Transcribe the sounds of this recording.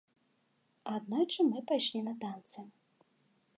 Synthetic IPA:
ad̪nɔjt͡ʂɨmɨpajʂlʲinɐt̪ant̪sɨ

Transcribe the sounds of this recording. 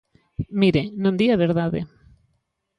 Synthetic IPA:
miɾenõnd̪iaβeɾðaðḛ

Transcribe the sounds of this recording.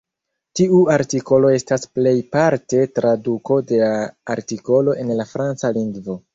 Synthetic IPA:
tiuaɾtiko̞lo̞e̞stasple̞jpaɾte̞tɾaduko̞de̞laːɾtiko̞lo̞ʔe̞nlafɾant͡saliŋɡvo̞

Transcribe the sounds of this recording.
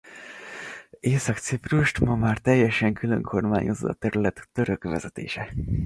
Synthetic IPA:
eːsɒkt̪sipruʃt̪mɒmaːrt̪ɛjːɛʃɛŋkʰyløŋkʰo̞rmaːɲozo̰ɒ̰t̪ɛɾylɛt̪t̪ːøɾøkʋɛ̰zɛt̪ḛːʃɛ

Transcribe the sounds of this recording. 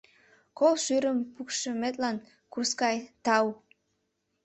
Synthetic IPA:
kolʃyɾəmpukʃəmet̪lɑn | kurskɑjt̪ɑw

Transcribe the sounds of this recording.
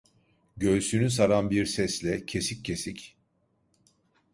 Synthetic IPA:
ɟøːsynys̬aɾanbiɾsɛslʲɛcʰe̞sicːʰe̞sic

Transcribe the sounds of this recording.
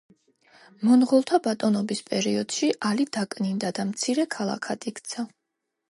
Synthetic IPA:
mɔnʁɔlˠt̪ʰabat̪ʼɔnɔbispʼɛɾiɔd̪̥ʃiʔalid̪akʼnind̪ad̪amt̪sʰiɾɛkʰalˠa̰kʰat̪ʼikʰt̪sʰa

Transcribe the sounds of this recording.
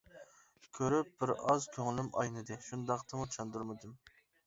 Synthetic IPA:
kʲʰøɾyp̚b̥ɪɾɑzkʲʰøŋɪlymʔɑ̰jnɨd̪ɨʃund̪ɑqt̪ʰɨmut͡ʃʰɑnd̪uɾmɨd̪ɨm

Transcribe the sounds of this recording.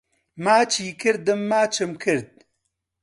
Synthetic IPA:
maːt͡ʃʰiːkɨɾd̪ɨmːaːt͡ʃʰɨmkʰɨɾd̪̚

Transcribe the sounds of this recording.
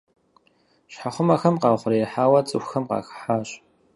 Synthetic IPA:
ɕħaχʷʊmɐxɐmqɑːχʷʊrijħaːwɐt͡sʼɨ̰xʷxɐmqɑ̰ːxħaːɕʼ

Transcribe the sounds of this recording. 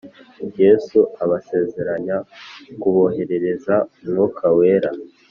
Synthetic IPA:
je̞suaβase̞ːze̞ɾaɲakuβo̞he̞ɾe̞ɾe̞zamŋokʰawe̞ːɾa

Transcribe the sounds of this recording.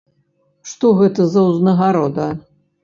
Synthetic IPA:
ʂt̪ɔɣɛt̪ɐzɐwznɐɣaɾɔd̪ɐ

